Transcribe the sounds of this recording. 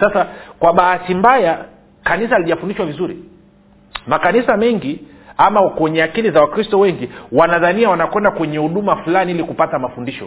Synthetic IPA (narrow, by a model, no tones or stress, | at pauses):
sasakwaɓahatimbaja | kanis̬aaliʄafundiʃwavizuɾḭ | makanisamɛŋɡi | amakwɛɲɛakilizawakɾistɔwɛŋɡiwanaðaniawanakwɛndakwɛɲɛhuɗumafulaniilikupatamafundiʃɔ̰